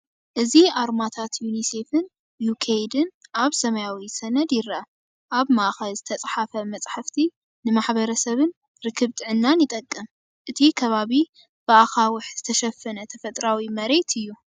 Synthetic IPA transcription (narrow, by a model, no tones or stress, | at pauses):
ʔɨziʔaɾmat̪ʰat̪junise̞fɨn | jukʰejd̪ɨnʔaβsɐmɐjawisɐnɐd̪jɪɾɐʔɐ | ʔaβmaʔxɐlzɨt̪ʰɐt͡sʼħafɐmɐt͡sʼħaft̪ʰi | nɨmaħbɐɾɐsɐβɨn | ɾɨkʰːɨβt̪ʼɨʕɨnːanjɪt̪ʼɐkʼːɐm | ʔɨt̪ʰikʰɐβaβi | b̥ɨaxawʊħz̥ɨt̪ʰɐʃɐfːɐnɐt̪ʰɐfɐt̪ʼɾawimɐɾe̞t̪ʰɨjːu